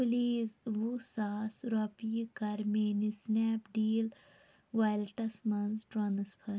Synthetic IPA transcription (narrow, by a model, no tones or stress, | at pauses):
pliːzʋusaːsɾɔːpijkɐɾmeːnisnɛːpɖiːl | ʋaːjlʈɐsmɐnzʈɾɔnɨspʰɐɾ